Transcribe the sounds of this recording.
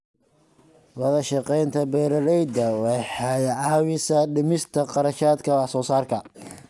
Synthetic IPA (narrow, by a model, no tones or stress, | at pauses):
wɐðɐʃɑqɛjnt̪ʰɐbɛːɾɐlɛjd̪ɐwɛħɑjʕɑːwɪsɐɖɪmɪst̪ʰɐqɑɾɐʃaːd̪kʰɐwɑħsɔːsaːrkʰɐ